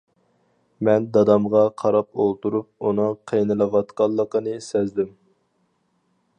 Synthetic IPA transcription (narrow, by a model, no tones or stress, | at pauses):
mɛnd̪ɑd̪ɑmʁɑqʰɑɾɑpolˠt̪uɾup̚unɨŋqʰejnɨlˠəwɑt̪qɑlˠːəqənɨsɛzd̪ɪm